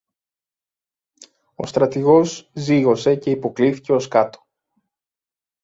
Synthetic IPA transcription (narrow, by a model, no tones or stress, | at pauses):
o̞̰st̪ɾɐt̪iɣo̞zziɣo̞se̞ce̞ipo̞kliθi̥ce̞o̞skɐt̪o̥